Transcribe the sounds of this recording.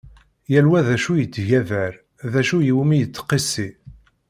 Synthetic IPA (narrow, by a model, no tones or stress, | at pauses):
jælwæðæʃujət͡sːʝævæɾ | ðæʃujiwmijət͡sːqːisːi